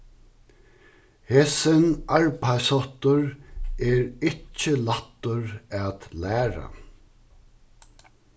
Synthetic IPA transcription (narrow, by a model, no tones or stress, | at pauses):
heːsɪnaɹpʰajsɔt̪ʊɹɛːɹɪt͡ʃːɪlat̪ːʊɹæːt̪læːɾa̰